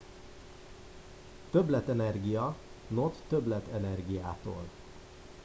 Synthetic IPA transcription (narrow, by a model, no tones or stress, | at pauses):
t̪øblɛt̪ɛnɛrɡijɒnot̪ːøblɛt̪ɛnɛrɡijaːt̪o̰ːl